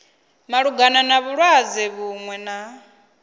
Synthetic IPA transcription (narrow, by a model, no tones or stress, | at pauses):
maɺuɡananaβuɺwad͡zɛβuŋwɛna